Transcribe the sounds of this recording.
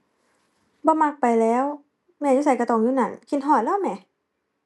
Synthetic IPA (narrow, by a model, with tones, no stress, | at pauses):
bɔː˧˦ma˧˩k̚pa˨jlɛː˦˥w | mɛː˧˩juː˧˥s̬a˧˩jka˧˩t̪ɔː˧˩ŋjuː˧˨na˧˩nkʰi˧˥nɦɔː˧˩t̪̚lɛː˧˥˨wmɛː˧˩